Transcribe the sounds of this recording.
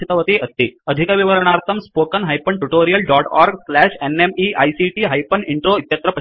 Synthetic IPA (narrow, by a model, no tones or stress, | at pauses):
it̪ɐʋət̪iɐst̪iːəd̪ʱikaʋiʋəɾəɳ̃aɾt̪ʰəmspokənɦajpəɳʈuʈoɾijəlɖɔʈɔ̰ɾɡslæɕenemiʔajsiʈiːɦajpəniɳʈɾoit̪jɐt̪ɾɐpɐ